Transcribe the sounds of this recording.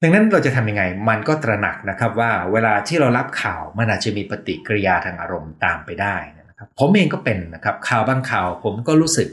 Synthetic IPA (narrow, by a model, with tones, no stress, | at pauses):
da˧ŋna˦˥nɾa˧wt͡ɕa˨˩t̪ʰa˧mja˧ŋa˧jma˧nkɔː˥˩t̪ɾa˧na̰˨˩k̚na˦˥kʰa˦˥p̚waː˥˩weː˧laː˧t̪ʰiː˥˩ɾa˧wɾa˦˥p̚kʰaː˨˩wma˧nʔaː˨˩t̪̚t͡ɕa˨˩miː˧pa˧t̪ḭ˨˩ʔkɾi˧jaː˧t̪ʰaː˧ŋʔaː˧ɾo˧mt̪aː˧mpa˧jdaː˥˩jn˥na˦˥kʰa˦˥pʰo˩˦mʔeː˧ŋkɔː˥˩pe˧nːa˦˥kʰa˦˥p̚kʰaː˨˩wbaː˧ŋkʰaː˨˩wpʰo˩˦mkɔː˥˩ɾuː˦˥sɯ˨˩k̚